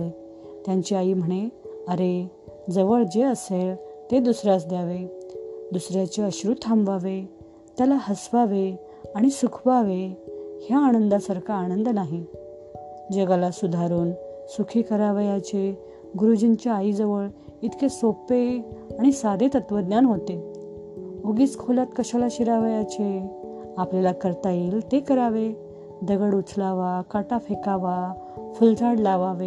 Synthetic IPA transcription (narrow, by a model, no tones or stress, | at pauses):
e | t̪jãɲt͡ɕiaiːm̤əɽ̃eəɾe | d͡zəʋəɭd͡ʑeəseɭt̪ed̪usɾjasd̪jaʋed̪usɾjat͡ɕeəɕɾut̪ʰːamʋaʋe | t̪jalahəsʋaʋe | aɽ̃isukʰʋaʋehjaːnənd̪asəɾkʰaːnə̃nd̪naɦi | d͡ʑeɡalasud̪ʱaɾuːnsukʰiːkəɾaʋjat͡ɕe | ɡuɾud͡ʑənt͡ɕaaid͡zəʋəɭ | it̪ʰkesopeaɽ̃isad̪ʱet̪ət̪ʋəd̪njanɦot̪e | oɡiːt͡skʰolat̪kəɕalaɕiɾaʋəjat͡ɕe | apljalakəɾt̪aiːlt̪ekəɾaʋe | d̪əɡəɽut͡sʰlaʋakaʈafʰekaʋa | fult̪ʰaɽlaʋaʋe